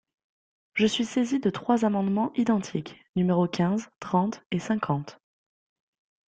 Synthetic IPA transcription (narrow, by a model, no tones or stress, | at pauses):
ʒəsɥisezid̪ət̪χwazamɑ̃d̪mɑ̃ʔid̪ɑ̃t̪ʰiknymeʁokʲɛ̃zt̪χɑ̃t̪esɛ̃kʰɑ̃t̪